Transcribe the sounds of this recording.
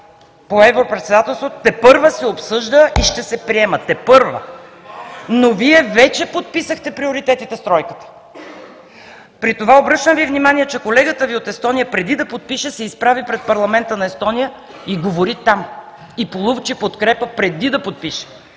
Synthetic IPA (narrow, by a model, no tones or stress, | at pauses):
poɛvɾopɾɛt̪sɛd̪at̪ɛlˠst̪vot̪t̪ːɛpɤɾvəsɛopsɤʒd̪əʔiʃt̪ɛsɛpɾiɛmət̪ːɛpɤɾvə̰ | noviɛvɛt͡ʃɛpot̪̚pisəxt̪ɛpɾioɾit̪ɛt̪it̪ɛst̪ɾɔjkə̥t̪ə̥ | pɾit̪ovaobɾɤʃtnəmvivnʲimaniɛt͡ʃɛkolɛɡət̪əviot̪ɛst̪ɔnijəpɾɛd̪id̪ɐpot̪̚piʃɛsɛispɾavipɾɛt̪̚pɐɾlˠɐmɛnt̪ənɐɛst̪ɔnijə | iɡovoɾit̪am | ipolˠuvt͡ʃipot̪kɾɛpəpɾɛd̪id̪ɐpot̪̚piʃɛ̥